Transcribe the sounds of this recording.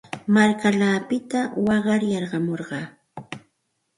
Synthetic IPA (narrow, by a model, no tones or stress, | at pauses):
maɾkalaːpɪt̪awɑɢɑɾjɑɾɢɑmoɾɢɑː